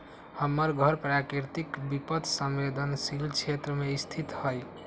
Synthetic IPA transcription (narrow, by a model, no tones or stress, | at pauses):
həmːəɾɡʱəɾpɾakɾiɾt̪ikbipət̪ʰsəmbed̪ʱənsilt͡ʃʰet̪ɾəmeist̪ʰit̪həj